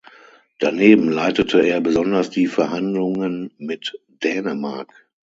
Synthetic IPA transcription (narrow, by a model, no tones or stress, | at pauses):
d̥aneːbm̩laɪtətʰəeːɐbəzɔndɐsd̥iːfɛɐɦandlʊŋənmɪt | d̥ɛːnəma̰ɐk